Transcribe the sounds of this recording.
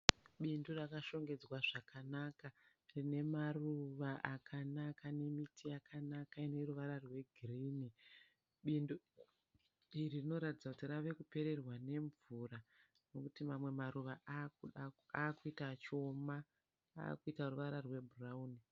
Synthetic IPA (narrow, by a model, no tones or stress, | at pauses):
ɓindurakaʃo̞ŋɡe̞d͡zwaʐakanaka | rine̞maruʋaʔakʰanakane̞mitʰijakʰanakaine̞ruʋaɾarwe̞ɡʱirini | ɓindu | iririno̞ɾatid͡zakutiraʋe̞kupe̞ɾe̞rwane̞ɱvura | no̞kutimamwe̞maɾuʋaʔauaaːkuitat͡ʃo̞ma | a̰ːkuitaɾuʋaɾarwe̞bʱurauːni